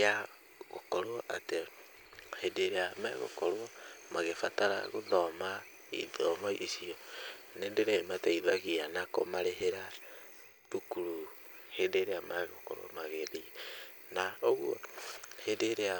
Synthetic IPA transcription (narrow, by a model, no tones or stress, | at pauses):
a | ɣokɔɾwɔʔate | hedeɾeamɛɣo̰kɔɾwɔmaɣefataɾa̰ɣoðɔma | ḭðɔmɔʔisiɔ | neːndeɾaimataiðaɣianako̰maɾeɦeɾa | βukuɾu | hendeɾeamaɣokɔ̰ɾo̰ɔ̰maɣeði | naoɣɔ̰hedeɾea